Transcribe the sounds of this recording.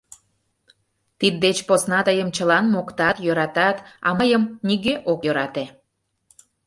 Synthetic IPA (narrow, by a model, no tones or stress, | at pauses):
t̪id̪̚ːet͡ɕposnɑt̪əjəmt͡ɕəlɑnmokt̪ɑt̪jøɾɑt̪ɑt̪ɑ̰məjəmniɣeʔokjøɾɑt̪e